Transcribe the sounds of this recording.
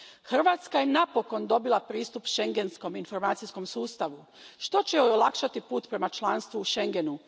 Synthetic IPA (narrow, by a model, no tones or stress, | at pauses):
xr̩ʋaːt̪skaje̞napo̞ko̞nd̪o̞bilˠapɾiːst̪upʃe̞ŋɡe̞nsko̞minfo̞ɾmaːt̪sijsko̞msuːst̪aʋu | ʃt̪o̞t͡ɕe̞oolˠakʃat̪ipuːt̪pɾe̞mat͡ʃlˠaːnst̪ʋuːʃe̞ŋɡe̞nu